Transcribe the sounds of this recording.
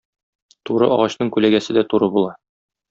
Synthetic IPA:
t̪uɾɤ̰ɒ̰ʁɑɕnɤɴkʉlæɡæsɘd̪æt̪uɾɤbulˠɑ

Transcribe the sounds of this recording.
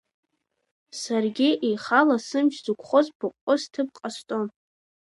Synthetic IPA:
sarɡʲiʔejχalasɨmʃzukʷʰχozbʊqʷʼːostʰɨp̚qʼastʼon

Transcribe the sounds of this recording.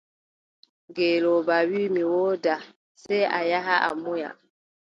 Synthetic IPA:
ɡeːlɔbawimiwɔːda | sɛa̰jaɦaʔa̰muja̰

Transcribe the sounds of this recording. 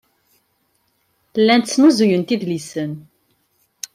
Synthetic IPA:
lːænt̪t͡sːnuzujənt̪iðlisən

